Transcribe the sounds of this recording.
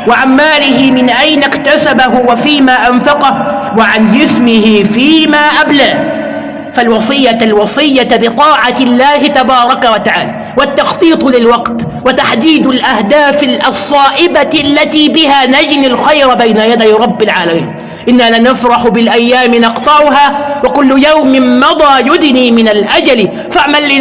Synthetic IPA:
wɪʕanmaːlɪɦɪmɪnʔajnakt̪asabaɦʊwafiːmaːʔanfɑqɑhwɪʕand͡ʒɪsmɪhɪfiːmaːʔablaː | falwɑsˤɨjːalwɑsˤɨjːabɨt̪ˤɑːʕalːaːhɪt̪abɑːɾˤɑkawat̪aʕa̰ːlaː | wat̪ːɑxt̪ˤiːt̪ˤlɪlwɑqt̪ | wat̪aħd̪iːd̪alʔahd̪aːfɪlʔɑsˤːɑːʔɪbalːat̪iːbɪhaːnad͡ʒnɪlxajɾbajnajad̪ajɾˤɑbːɪlʕaːlamḭːn | ʔɪnːalanafɾˤɑħʊbɪlʔajːaːmɪnɑqt̪ˤɑʕʊɦaːwakʊlːjawmɪnmɑd̪ˤɑːjʊd̪niːmɪnalʔad͡ʒal | faʕmalːi

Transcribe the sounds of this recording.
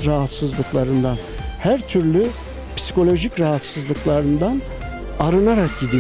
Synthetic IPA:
ɾaɦat̪sɯzlˠɯklˠaɾɯnd̪an | hæɾt̪ʰyɾlʲy | pʰi̥si̥kʰo̞lʲo̞ʒicɾaɦat̪sɯzlˠɯklˠaɾɯnd̪an | aɾɯnaɾak̚ɟid̪i

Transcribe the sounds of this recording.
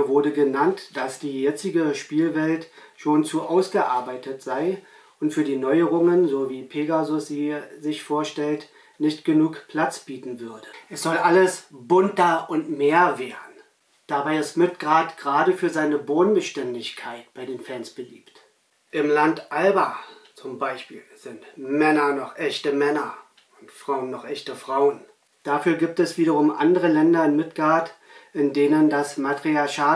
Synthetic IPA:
vʊɐdəɡənantd̥asd̥iːjɛt͡sɪɡəʃpiːlvɛltʃoːnt͡suʔaʊsɡ̥əʔaɐbaɪtʰətz̥aɪ | ʔʊntfyːɐdiːnɔʏəʁʊŋənzoːviːpʰeːɡazʊsz̥iːzɪçfoːɐʃtɛlt | nɪçtɡ̥ənuːkpʰl̥at͡sb̥iːtn̩vʏɐdəʔɛsz̥ɔlʔaləsb̥ʊntɐʔʊntmeːɐveːʁən̩ | d̥abaɪɪstmɪtɡ̥ʁaːtɡ̥ʁaːdəfyːɐzaɪnəboːnbəʃtɛndɪçkʰaɪtb̥aɪdeːnfɛːnsb̥əlḭːpt | ʔɪmlantʔalbat͡sʊmbaɪʃpḭːlz̥ɪntmɛnɐnɔχʔɛçtəmɛnɐ | ʊntfʁ̥aʊənːɔχʔɛçtəfʁ̥aʊən | d̥afyːɐɡiːp̚tɛsv̥iːɾɐʁ̞ʊmʔa̰ndəʁəlɛndɐɪnmɪtɡ̥ʁaːtʔɪndeːnəndasmatʁ̥iaɐʃaː

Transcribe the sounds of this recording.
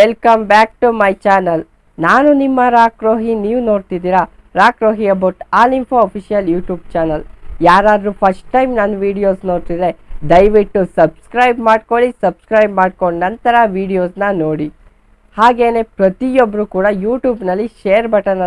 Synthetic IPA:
ʋelkɐmbaːk̚ʈumɐjt͡ʃaːnɐl | naːnunimːɐɾaːkɾo̞ːɦiniːʋno̞ːɽt̪id̪iːɾɐ | ɾaːkɾoːɦiɐbɐwʈaːlinpʰo̞ɐpʰiʃijɐljuːʈjuːb̚t͡ʃaːnɐljaːɾaːd̪ɾupʰɐsʈʈɐjmnanʋiːɖijo̞ːsno̞ːɽt̪id̪e̞d̪ɐjʋiʈːusɐbskɾɐjbmaːɖkoɭisɐbskɾɐjbmaːɖkoɳnɐnt̪ɐɾɐʋiːɖijo̞ːsnɐno̞ːɽi | haːɡe̞ːne̞ːpɾɐt̪ijobːɐɾuːkuːɽɐjuːʈjuːbnɐlːiʃeːɾbɐʈɐnɐ

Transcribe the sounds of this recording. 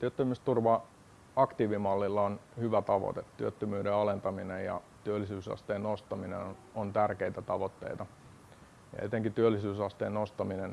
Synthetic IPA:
t̪yøt̪ːømyst̪urʋɑ | ɑkt̪iːʋimɑlːilːɑonhyʋæt̪ɑʋo̰t̪ett̪yøt̪ːømyːdeɑlent̪ɑminejjɑ̰t̪yølːisyːsɑ̰st̪eːnnost̪ɑmineont̪ærkeit̪æt̪ɑʋot̪ːḛit̪ɑ | jɑ̰et̪eŋkit̪yølːisyːsɑst̪eːnost̪ɑminen

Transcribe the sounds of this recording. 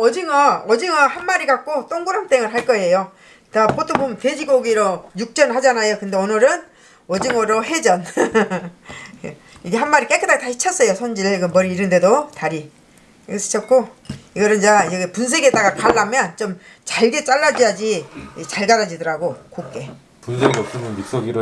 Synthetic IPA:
ʌd͡ʑiŋʌʌd͡ʑiŋʌhanmaɾikak̚k͈ot͈oŋɡuɾʌmt͈eŋɯɭɦaɭk͈ʌe̞jo | tapot͈ʰobomted͡ʑiɡoɡiɾojuk̚t͡ɕ͈ʌnad͡ʑanajokɯndeonɯɾɯn | ʌd͡ʑiŋʌɾoɦe̞d͡ʑʌn | iɡe̞ɦanmaɾik͈ekʰɯdaɡitaɕʰi̥t͡ɕʰʌs͈ʌjosʰond͡ʑieɡɯmʌɾiiɾɯnde̞dotaɾi | sʰi̥t͡ɕʰʌt̚k͈o | iɡʌɾɯnd͡ʑaʌɡepuns̬ʰe̞ɡet͈aɡakaɭːamjʌnt͡ɕomt͡ɕaɭɡet͡ɕ͈aɭːad͡ʑijad͡ʑiit͡ɕaɭɡaɾad͡ʑidʌɾaɡokok͈e | punsʰeɡʌs͈ʰumɯnik̚s͈ʌɡiɾ

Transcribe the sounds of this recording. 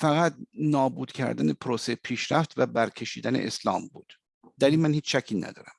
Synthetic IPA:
fæɣæt̪̚nɒːbuːd̪̥cʰæ̰ɾd̪æne̞pʰoɾoseepʰiːʃɾæft̪væbæɾcʰe̞ʃiːd̪ænḛʔeslɒ̰ːmbuːd̪̥ | d̪̥æɾiːnmænhiːt͡ʃʃækʰːiːnæ̰d̪ɒ̰ːɾæm

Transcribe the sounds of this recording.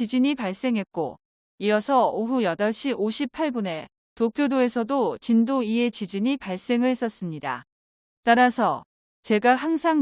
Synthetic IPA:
id͡ʑiɲipaɭs͈e̞ŋɦe̞t̚k͈o̰ | iʌsʰʌoɦujʌdʌɭɕ͈iʔoɕʰipʰaɭbone̞ | topʰjodoe̞sʰʌdot͡ɕindoie̞t͡ɕid͡ʑiɲipaɭs͈e̞ŋɯɭhe̞s͈ʌs͈ɯmɲida̰ | t͈aɾasʰʌ̰ | t͡ɕe̞ɡaɦaŋsʰaŋ

